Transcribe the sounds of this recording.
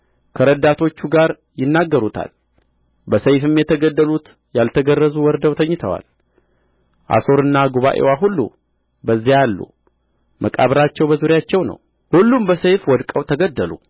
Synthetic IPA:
kʰəɾəd̪at̪ʰo̞t͡ʃːuɡaɾ | jɪnːaɡːəɾut̪ʰa̰l | bəsəjfɨmjɛt̪ʰəɡəd̪ːəlut̪ | jalt̪ʰəɡərːəzuwɔɾd̪əwt̪ʰəɲːɪt̪ʰəwa̰l | ʔa̰so̞ɾɨnːaɡuβaʔḛwaɦulːṵ | bəzːijalːṵ | mʔəkʼaβɾat͡ʃːɛwbəzuɾjat͡ʃːɛwnə̰w | hulːumbəsəjfwɔd̪kʼəwt̪ʰəɡəd̪ːəlṵ

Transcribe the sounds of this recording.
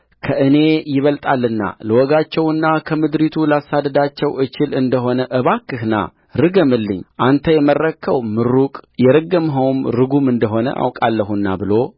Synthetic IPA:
kʰəʔɨne̞jɪβəlt̪ʼalːɨnːa̰ləwɔɡat͡ʃːɛwɨnːakʰəmɨd̪ɾit̪ʰulasad̪əd̪at͡ʃːɛwʔɨt͡ʃɪlɨnd̪əɦo̞nəʔɨβakːɨhna̰ | ɾɨɡəmɨlːɨ̰ɲːʔant̪ʰəjɛmərːəkʰːəwmɨɾukʼjɛɾəɡːəmɦəwmɾɨɡumɨnd̪əɦo̞nə̰ʔa̰wkʼalːəɦunːabɨlo̞

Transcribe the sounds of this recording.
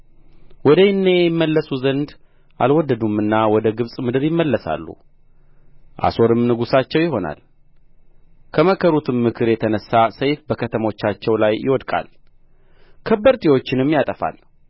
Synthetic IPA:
wɔd̪əjɪnːejɪmːəlːəsuzənd̪ | ʔalwɔd̪ːəd̪umɨnːawɔd̪əɡɨβsʼmɨd̪ɨɾjɪmːəlːəsa̰lːṵ | ʔa̰so̞ɾɨmnɨɡusat͡ʃːɛwjɪɦo̞na̰l | kʰəməkʰəɾut̪ʰɨmːɨkʰɨɾjɛt̪ʰənəsːasəjfbəkʰət̪ʰəmo̞t͡ʃːat͡ʃːɛwlajːɪ̰wɔd̪kʼa̰l | kʰəbːəɾt̪ʰʼiwo̞t͡ʃːɪnɨmːjat̪ʼəfa̰l

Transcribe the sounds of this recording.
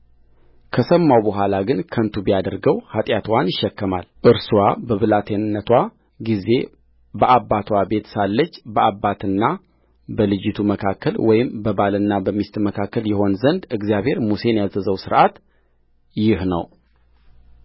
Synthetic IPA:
kʰəsəmːawbəɦʷalaɡɨnkʰənt̪ʰubijad̪əɾɡəwhat̪ʼjat̪ʰwanjɪʃːɛkːəma̰lʔɨɾsuwabəβɨlat̪ʰenːət̪ʰwa | ɡize̞ | bəʔabːat̪ʰwabe̞t̪salːət͡ʃːbəabːat̪ʰɨnːa | bəlɨd͡ʒːɪt̪ʰuməkʰakːəlwɔjɪmbəbalɨnːabəmist̪məkʰakːəljɛho̞nzənd̪ɨɡzijaβhe̞ɾmuse̞njazəzəwsɨɾʔat̪ | jɪhnə̰w

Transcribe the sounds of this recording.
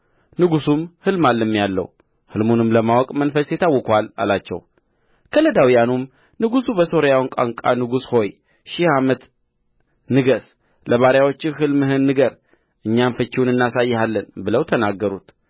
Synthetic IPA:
nɨɡusumhɨlmalːɨmːjalːə̰w | hɨlmunɨmləmawɔkʼmənfəsjɪt̪ʰːawːɔkʰala̰lat͡ʃːɛ̰w | kʰələd̪awijanum | nɨɡusubəso̞ɾjawnkʼa̰ŋkʼanɨɡusho̞j | ʃihamət̪ | nɨɡəs | ləβaɾjawot͡ʃːɪhɨlmɨhɨnːɨɡəɾ | ʔɨɲːamfət͡ʃːɪwunɨnːasajːhalːənbɨləwt̪ʰənaɡːəɾut̪

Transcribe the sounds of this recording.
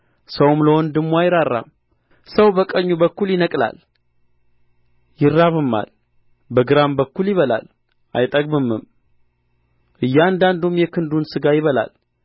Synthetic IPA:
səwmləwɔnd̪ɨmːuajɪɾarːa̰m | səwbəkʼəɲːubəkːuljɪnəkʼla̰l | jɪrːaβɨmːa̰l | bəɡɨɾambəkːuljɪβəla̰l | ʔajt̪ʼəɡ̚bɨmːɨm | ʔɨjːɛand̪and̪umjɛkʰɨnd̪unsɨɡajɪβəla̰l

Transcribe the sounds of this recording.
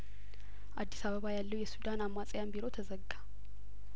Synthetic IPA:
ʔad̪ːisaβəβajalːəwjɛsud̪anamːasʼjambiɾo̞t̪ʰəzəɡːa

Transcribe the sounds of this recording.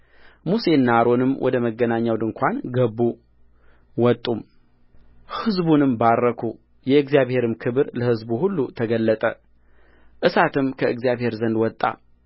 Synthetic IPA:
muse̞nːaɾo̞nɨmwʔɔ̰d̪əməɡːənaɲːawd̪ɨŋkʷʰanɡəbːu | wɔt̪ʼːum | hɨzbunɨmbarːəkʰu | jɛɨɡzijaβhe̞ɾɨmkʰɨβɨɾləhɨzbuhulːut̪ʰəɡəlːət̪ʼə | ʔɨsat̪ʰɨmkʰəʔɨɡzjaβhe̞ɾzənd̪wɔt̪ʼːa̰

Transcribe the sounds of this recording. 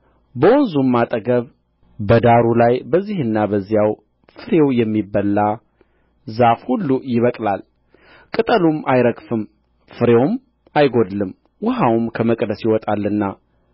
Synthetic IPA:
bəwɔnzumːat̪ʼəɡəβ | bəd̪aɾulajbəzːihɨnːabəzːijaw | fɨɾewjɛmːibːəlːa | zafhulːujɪβəkʼlal | kʼɨt̪ʼəlumʔajɾəɡfɨm | fɨɾewm | ajɡo̞d̪lɨm | wʊɦawmkʰəməkʼd̪əsjɪwɔt̪ʼalːɨnːa

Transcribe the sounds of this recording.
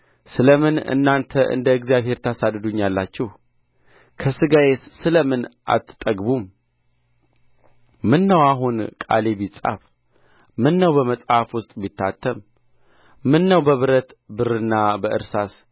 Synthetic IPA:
sɨləmɨnɨ̰nːant̪ʰəʔɨ̰nd̪əɨɡzijaβhe̞ɾt̪ʰasad̪ɨd̪uɲːjalːat͡ʃːɛh | kʰəsɨɡajessɨləmɨnʔa̰t̪ʰːɨt̪ʼəɡbum | mɨnːəwaɦunkʼa̰le̞bit͡sʼa̰f | mɨnːəwbəməsʼhafwʊst̪ʼbit̪ʰːat̪ʰːəmː | ɨnːəwbəβɨɾət̪bɨrɨnːabəʔɨ̰ɾsas

